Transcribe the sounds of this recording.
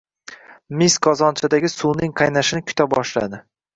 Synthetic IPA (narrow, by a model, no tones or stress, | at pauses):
misqʰɒzɒnt͡ʃʰad̪aɡʲɪsulnɪŋqʰɑjnaʃɪnɪkʰʲʊ̥t̪ʰabɒʃla̰d̪ɪ